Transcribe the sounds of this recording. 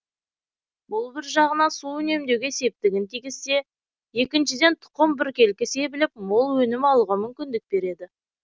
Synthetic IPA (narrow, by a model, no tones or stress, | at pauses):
bʊlˠbɪɾʒɑʁənɑsuɵne̞md̪ewɡʲese̞p̚t̪ɪɡʲɪnt̪ʰiɡʲɪsːe̞ | je̞kʲɪnʃɪd̪e̞nt̪ʰʊ̥qəmbɪɾkʲe̞lkʲɪse̞bɪlɪp̚molˠwɵnɪmɑlˠuʁɑmʏmkʲɪnd̪ɪk̚be̞ɾe̞d̪ɪ